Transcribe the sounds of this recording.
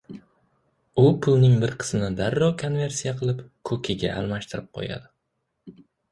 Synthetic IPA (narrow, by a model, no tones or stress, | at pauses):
ʊpʰʊlˠnɪŋbɪɾqʰɨ̥zɪnɪd̪aɾːɒkʰonve̞ɾsijaqʰɨlˠɪpkʰɵkʰʲɪɡʲaʔa̰lˠmaʃt̪ʰɪɾɪp̚qʰo̰ja̰d̪ɪ